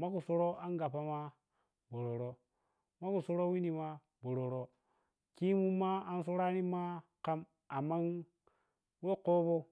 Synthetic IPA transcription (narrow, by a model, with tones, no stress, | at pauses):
ma˦ku˨so˦ɾo˦a˦ŋɡa˨pa˦ma˦ | bo˨ɾo˨ɾo˦ | ma˦ku˨so˦ɾo˦wi˦ni˨ma˦ | bo˨ɾo˨ɾo˦ | ki˦mu˦mːa˦a˦n˦s̬o˦ɾa˦ni˦ma˦ka˦m | a˨mːa˦n | we˦ko˦bo˦